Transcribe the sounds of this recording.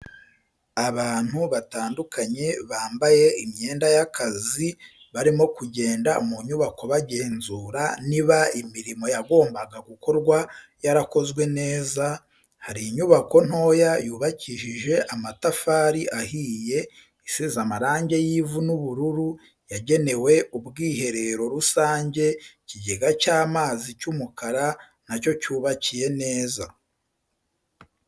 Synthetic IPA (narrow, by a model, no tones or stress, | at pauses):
aβaːn̥huβataːndukʰaɲe̞βaːmbaje̞imɲe̞ːndajakʰazi | βaɾimo̞kuɟe̞ːndaumuɲuβakʰo̞βaɟe̞ːnzuːɾaniβaimiɾimo̞jaɡo̞ːmbaɡaɡuko̞ɾɡwa | jaɾako̞zɡwe̞ne̞ːza | haɾiɲuβako̞n̥ho̞ːjajuːβaciʃiʒe̞ʔamatafaːɾiʔahiːje̞ | isizamaɾaːɲɟe̞jiːvunuβuɾuɾu | jaɟe̞ne̞we̞ʔubɡiːɦe̞ɾe̞ɾo̞ɾusaːɲɟe̞ciɟeɡacaːmaːzicumukaɾa | naco̞cuːβacije̞ne̞ːza